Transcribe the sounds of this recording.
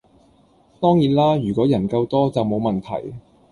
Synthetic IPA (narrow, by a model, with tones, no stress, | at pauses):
t̪ɔː˥ŋjiː˨˩nlaː˥jyː˨˩kʷɔː˨˥jɐ˨˩nkɐ˧wt̪ɔː˥t͡sɐ˨wmo˨˧wmɐ˨nt̪ʰɐ̰˨˩j